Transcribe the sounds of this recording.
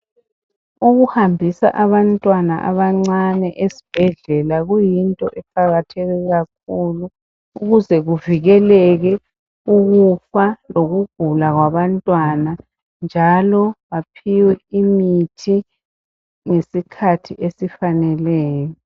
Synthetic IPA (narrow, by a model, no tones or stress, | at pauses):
uɣuhambʱisa̰ʔaβantʼwana̰ʔa̰βaŋ͡ǀanɛʔesi̥b̥ʱɛɮɛlaɣujintʼɔʔɛpʰaɣatʰɛɣɛɣak̚ʰulu | uɣuzɛɣuviɣɛlɛɣɛ | uɣufaloɣuɡ̥ʱulaɣwaβantʼwana | nd͡ʒʱalɔβapʰiwɛimitʰi | ŋesikʰatʰiʔesifanɛlɛːjɔ